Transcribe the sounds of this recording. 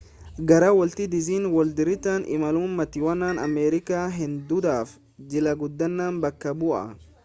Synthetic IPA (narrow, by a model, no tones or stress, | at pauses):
ɡɐɾɐwɔlt̪ɪd̪ɪziːnwɔld̪ɪɾɪt̪aːnɪ̰mɐlʊmːɐt̪ɪwɐnaːnɐmɛːɾɪkaːɦɪnd̪ʊd̪aːf | d͡ʒɪlɐɡʊd̪ːɐnːaːnbɐkːɐbʊʔɐ̰